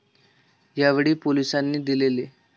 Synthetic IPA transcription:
jaʋeɽiːpolisanːiːd̪ilele

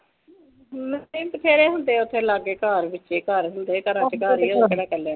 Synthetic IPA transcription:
məiːt̪pʰeːɾeːɦʊnd̪eːʊt̪ʰːẽːlaːɡeːkaːɾbɪtːʃeːkaːɾɦʊnd̪eːkəɾãt͡ʃkaːɾiːkeɽaːkɛlːe

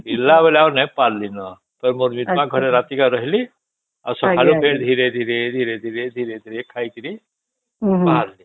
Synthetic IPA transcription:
bilːabelaunaipaɾlinʌ | t̪ʌɾmoɾmit̪mãɡʱʌɾeɾat̪ikaɾʌɦili | a̰səkʰalupeɾd̪ʱiɾed̪ʱiɾed̪ʱiɾed̪ʱiɾed̪ʱiɾed̪ʱiɾekʰajk̪iɾi | baaɾli

